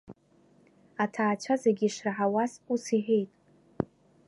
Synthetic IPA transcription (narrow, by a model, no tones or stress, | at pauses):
atʰaːt͡ʃʷʰazeɡʲiʂraħawazusiħejtʼ